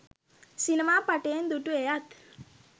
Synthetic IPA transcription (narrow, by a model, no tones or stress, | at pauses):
sinemaːpaʈejend̪uʈuejat̪